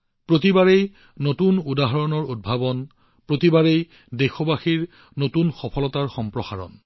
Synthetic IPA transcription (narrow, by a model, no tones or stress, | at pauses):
pɹot̬ibaɹej | notunudaɦɔɹɔnɔɹud̚bʱabɔn | pɹotibaɹej | dexɔbaxiɹ | notunxɔpʰɔlɔtaɹxɔmpɹɔxa̰ɹɔ̰n